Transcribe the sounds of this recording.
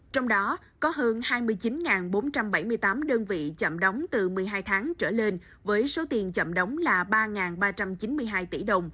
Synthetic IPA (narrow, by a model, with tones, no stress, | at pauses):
t͡ɕɔ˧wŋ͡mɗɔ˨˦ | kɔ˨˦ɦəː˧nhaː˧jmɨ˧əjt͡ɕi˨˦nŋaː˨˩nɓo˨˦nt͡ɕa˧mɓa˧˩jmɨ˧əjt̪aː˨˦mɗəː˧nvḭ˧˨t͡ɕə̰˧˨mɗə˨˦wŋ͡mt̪ɨ˨˩mɨ˨˩əjɦaː˧jt̪ʰaː˨˦ŋt͡ɕəː˧˩le˧n | vəː˨˦jso˨˦t̪i˨˩ənt͡ɕə̰˧˨mɗə˨˦wŋ͡mlaː˨˩ɓaː˧ŋaː˨˩nɓaː˧t͡ɕa˧mt͡ɕi˨˦nmɨ˧əjɦaː˧jt̪i˧˩ɗə˨˩wŋ͡m